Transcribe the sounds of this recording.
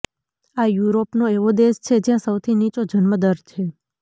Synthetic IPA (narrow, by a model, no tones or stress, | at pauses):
ajuɾopnoeʋod̪eʃt͡ʃʰed͡ʒjãsəwt̪ʰinit͡ʃod͡ʒənməd̪əɾt͡ʃʰe